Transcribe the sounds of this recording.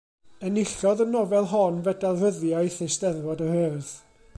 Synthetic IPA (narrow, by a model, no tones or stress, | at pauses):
ənɪɬɔðənɔvɛlˠɦɔnvɛdalˠrəðjajθesdɛðvɔdəhəːð̥